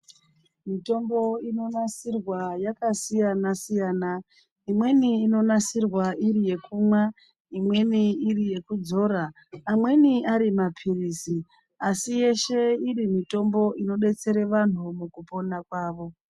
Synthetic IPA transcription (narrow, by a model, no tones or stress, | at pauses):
mito̞mbo̞ino̞nasirwajakasijanasijaːna | imwe̞niːno̞nasirwaʔirije̞kʰumwa | imwe̞niːrije̞kud͡zo̞ːɾaː | mwe̞niaɾimapʰiriːsi | asije̞ʃe̞iɾimito̞mbo̞ʔino̞ɗe̞t͡se̞ɾe̞ʋan̤umukupo̞nakwaːʋo̞